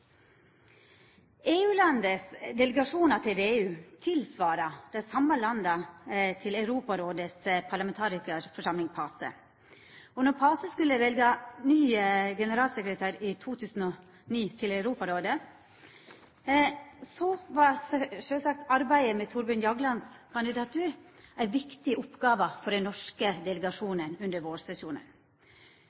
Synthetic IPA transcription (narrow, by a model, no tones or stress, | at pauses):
eːʉːlɑnd̪əsd̪ɛləɡɑʂuːnɑt̪ʰeːʋeʉːt̪ʰɪlsʋɑːɾɑd̪̥ɛɪsɑmːəlɑnd̪ət̪ʰɪlɑʉɾuːpɑɾoːd̪əspʰɑɭɑmɛnt̪ʰɑːɾɪkəɾfɔʂɑmlɪŋpʰɑːsə̰ | ɔnɔɾpʰɑːsəskʉlːəʋɛlɡɑnyːɡɛnəɾɑːlsɛkɾət̪ʰæːɾɪt̪ʰuːt̪ʰʉːsn̩ɔ | niːt̪ʰɪlɑʉɾuːpɑɾoːd̪ə | sɔʋɑʂøːsɑk̚t̪ɑɾbæɪəmɛːt̪ʰʊɾbʉnjɑɡlɑnskʰɑnd̪ɪd̪ɑt̪ʰʉːɾæɪʋɪkt̪ɪʔʊpɡɑːʋɑfɔɖɛnnɔʂkəd̪ɛləɡɑʂuːnənʉnd̪əɾʋoːɾsɛsuːnə̰n